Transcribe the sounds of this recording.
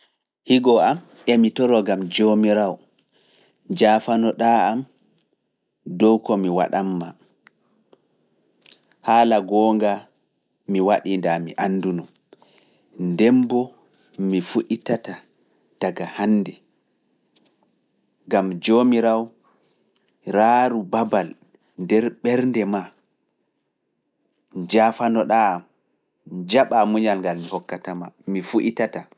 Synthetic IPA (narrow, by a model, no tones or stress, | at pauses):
hiɡɔʔam | ʔɛmitɔɾɔɡamd͡ʒomiɾaw | d͡ʒaːfanɔɗaam | dɔwkɔmiwa̰ɗamːa | haːlaɡɔːŋɡa | miwaɗindamḭʔanːdunɔm | ndɛmbɔ | mifuʔitata | d̥aɡahanːdɛ | ɡamd͡ʒomiɾaw | ɾaːɾubabal | ndɛɾɓɛɾndɛma | d͡ʒafanɔɗam | d͡ʒaɓamuɲalŋɡalmihɔkːatamamifuʔitata